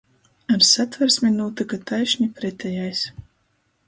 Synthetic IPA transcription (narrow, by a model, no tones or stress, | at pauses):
aɾsat̪vɐɾsʲmʲinuːt̪ɨɡat̪ajʃnʲɛpɾɛt̪ajajsʲ